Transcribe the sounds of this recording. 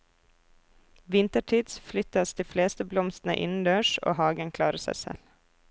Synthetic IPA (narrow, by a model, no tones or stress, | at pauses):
ʋɪnt̪əʈʰiːd̪sflʏt̪ɑsd̪iːfleːst̪əblɔmst̪n̩ə̰ʔɪ̰nn̩d̪øːʃo̰ːhɑːɡənkʰlɑːɾəsæ̰ɪsɛ̰l